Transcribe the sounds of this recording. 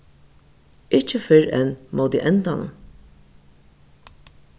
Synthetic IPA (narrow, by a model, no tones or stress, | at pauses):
ɪht͡ʃːəfɪɹɛ̰nmowt̪ḭʔɛnt̪anʊ̰